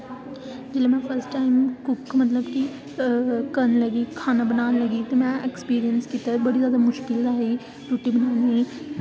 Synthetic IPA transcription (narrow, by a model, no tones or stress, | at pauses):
d͡ʒeːlemɛ̃ːpʰəɾsʈaːɪmkʊkmɐt̪ləbki | kənləɡiːkʰaːnabənaːnləɡiːt̪emɛ̃ːʔekspiːɾijənskit̪abəɽizjaːd̪amʊʃkɪlaːɦe | ʈuːʈːibənaːniː